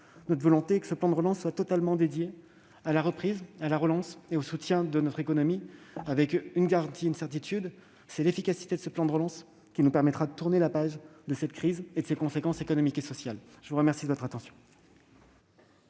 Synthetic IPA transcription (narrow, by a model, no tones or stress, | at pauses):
nɔt̪χvɔlɔ̃t̪ekə̥səplɑ̃d̪əʁəlɑ̃sːwat̪ɔt̪almɑ̃d̪ed̪je | alaʁəpχizalaʁəlɑ̃seosut̪jɛ̃d̪ənɔt̪χekɔnɔmiavɛkynɡaʁɑ̃t̪iynsɛʁt̪it̪yd̪ | sɛlefikasi̥t̪ed̪əsəplɑ̃d̪əʁəlɑ̃s | kʲinupɛʁmɛt̪χad̪ət̪uʁnelapaʒd̪əsɛt̪kχized̪əsekɔ̃sekɑ̃sekɔnɔmikesɔsjal | ʒəvuʁəmɛʁsid̪əvɔt̪χat̪ɑ̃sjɔ̃